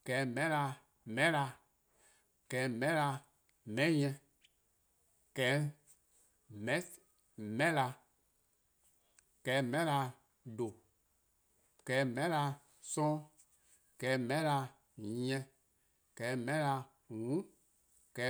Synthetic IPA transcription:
kɛː˨˦mɛ̃˦la˧ | mɛ̃˦la˧ | kɛː˨˦mɛ̃˦la˧ | mɛ̃˨˦ɲɛ̃˧ | kɛː˨˦ | mɛ̃˦ | mɛ̃˦la˧ | kɛː˨˦mɛ̃˦la˧ | do˨ | kɛː˨˦mɛ̃˨˦la˧ | sɔ̃˦ | kɛː˨˦mɛ̃˦la˧ | jɛ̃˧ | kɛː˨˦mɛ̃˦la˧ | ŋũ˨˦ | kɛː˨˦

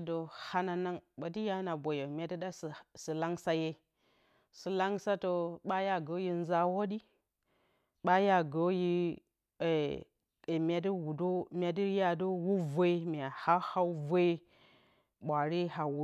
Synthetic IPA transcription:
do˨ha˦na˨na˦ŋɓa˨ti˦ja˦na˨bo˨jo˨mʲa˨˦di˦da˦ssi˨la˦ŋsa˦je˦ | si˨la˦ŋsa˦to˨ɓa˦ja˦ɡo˨˦ji˨n˦za˦wo˦di˦ | ɓa˦ja˦ɡo˨˦ji˦˨ | mʲ˦a˨di˦wu˨do˦mʲ˦a˨di˦ja˦do˦wu˦vo˦i˦mʲ˨a˨ha˦ha˦wvo˦i˦ | ɓʷa˨ɾi˦ɦa˨wu˨

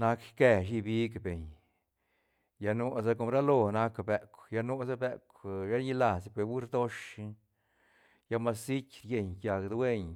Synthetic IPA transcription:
na˧kke˧ʃ̬i˦˧bi˦kbe˨ɲ | ja˧no˦s̬a˦ko˧mɾa˦lo˧na˧˦kbe˨˧kʷja˧nu˦sa˦be˧kʷja˦ɾɲi˧˦la˨spwe˧˨wu˦ɾd̪o˦ʂ | ja˧ma˧si˦kʲɾje˨ɲkja˨kd̪we˦ɲ

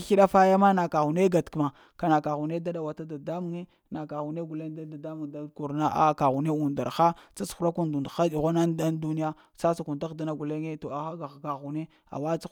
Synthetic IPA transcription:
xi˦ɗa˦fa˦ja˦ma˦na˨ka˨ɣu˨ne˦ɡa˨tkma˨ | ka˨na˨ka˨ɣu˨ne˦da˦da˨wa˨ta˦da˨da˦mu˨ŋe˦ | na˨ka˨ɣu˨ne˦ɡu˨le˦ŋ˦da˦da˨da˦mu˨ŋda˦ku˨ɾna˦a̰˨ka˨ɣu˨ne˦u˨nda˨ɾxa˦t͡sa˦sxu˨˦ɾa˦ku˦ndu˨n˨xa˦di˨ɣʷo˦na˦nda˦ndu˦ni˦a˦ | sa˦sa˨ku˨nta˦ɣda˦na˦ɡu˨le˦ŋe˦to˨a˨xa˦ɡa˨ɡa˨ɣu˨ne˦ | a̰˨wa˦t͡sa˦

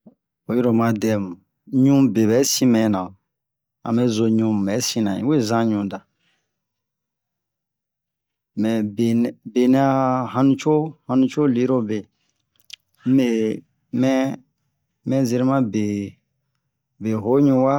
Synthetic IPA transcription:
o˨˦ji˦ɾo˨mã˨dɛ˨mũ˨ | ɲũ˦be˨bɛ˨˦sĩ˦mɛ̃˨˦nã˨ | ã̰˨me˦zo˧ɲũ˧˦˨mɛ˨˦sĩ˦nã˨ḭ̃˦we˦˨zã˦ɲũ˨da˨ | mɛ˨be˨nbe˨nɛ̃˦a˦hã˧nũ˦t͡ʃo˦hã˧nũ˦t͡ʃo˦li˨˦ɾo˦be˨ | m̩˦e˦ | mɛ̃˦ | mɛ̃˦ze˧ɾi˦mã˦be˨ | be˨ɦo˨˦ɲũ˧˦wa˦

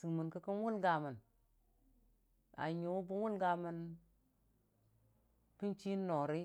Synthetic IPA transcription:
si˨mə˨nkə˦kə˦nwu˦lɡa˨mə˨n | a̰˨ɲu˨wu˦bu˦wu˦lɡa˨mə˨n | ki˦nt͡ʃi˦nːo˨ɾi˦

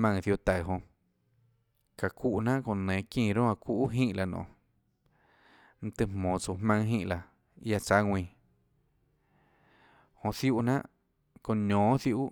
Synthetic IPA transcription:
mã˧ŋθju˧t̪a˨ɦõ˧ | ka˨kʷu˦ʔnã˦ʔkõ˧nẽː˨kĩː˦˧˨ɾõ˦a˧kʷu˦ʔɦĩ˦ʔla˧nõ̰˨ | n̩˧t̪ɨ˧mmõː˨t͡su˨hmã˧ŋɦĩ˧˦ʔla˧ | ja˧t͡sa˦ŋwʷĩː˧˨ | hõ˧θju˦ʔnã̰˦ʔ | kõ˧ɲõː˨˦θju˧ʔʔ

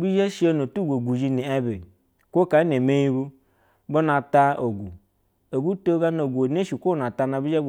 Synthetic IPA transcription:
bi˦ʒa˦ʃi˦o˦no˨tu˦ɡʷo˨ɡu˨ʒi˧ni˨ɛ˦be˨ | kʷo˦ka˨˦ne˨me˦ji˦bu˦ | bo˦na˨ta˦o˨ɡu˨ | o˨bu˦to˦ɡa˦no˨ɡʷo˨ne˦ʃi˨kʷo˦na˨ta˧na˨bi˦a˦

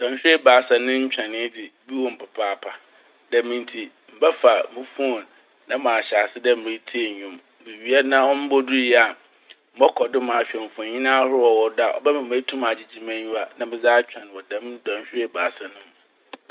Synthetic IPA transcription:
d̥ã˨nɕᶣɪ˦e˦baː˨sa˨nɪ̃˦ɲ̩˦t͡ɕᶣã˨nɪ̃˦dɪ˨bi˦wɔ˨m̩˨pʰa˨pʰaː˦˨pʰa˨ | da˨mĩ˨n˨tʰi˨ | m̩˨bɛ˦fa˨mɪ̃˨˦fũ˦õ˨n | nã˦mã˨ɕa˨sɪ˦dɛ˦m̩˨mẽ˨˦tʰi˦e˨ɲᶣũ˨m | bi˨ɥi˨ɛ˦nã˦wɔ̃˦m˦bɔ˦du˦˨jɛ˦a˨ | m̩˦bɔ˦kʰɔ˨dɪ˦mã˨ɕᶣɛ̃˨m˨fʊ̃˨ɲĩ˦nã˦hʊ˦ɾɔ˨wɔ˨da˨ʔɔ̰˨bɛ˦mã˨m˨e˦tʰũ˦ma˨d͡ʑɪ˦d͡ʑi˦mæ̃˦ɲũ˦a˨nã˦mbɪ̃˨zaː˦t͡ɕᶣã˨n˨wɔ˨dã˦mdã˨ɲɕᶣɪ˦e˦baː˨sa˨nʊ̃˦m

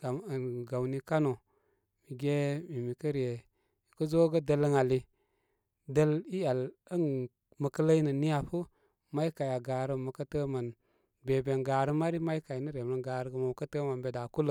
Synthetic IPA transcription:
ɡa˨m˨n˨ɡa˨wni˦ka˦no˨ | mi˨ɡe˦mi˨mi˨kə˦ɾje˨ | i˨kə˦zo˦ɡə˦də˦lə˦ŋa˨li˨ | də˦li˦a˨lə˦n | mə˨kə˦lə˦i˦nə˨ni˦ja˨pu˦ | ma˦i˦ka˨ja˨ɡaː˨ɾə˦˨mə˨kə˦tə˦ma˨n | be˨be˨nɡa˨ɾə˦ma˦ɾi˦ma˦jka˨jnə˦ɾe˨m˦ə˨ɡa˨ɾɡə˨ma˨m˨kə˦tə˦ma˨nbe˨da˨ku˦lə˨

